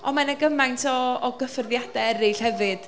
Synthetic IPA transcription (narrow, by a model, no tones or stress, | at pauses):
ɔnmanəɡəmajntʰɔːɡəfərðjad̥ɛɛɾɪɬhɛvɨd̥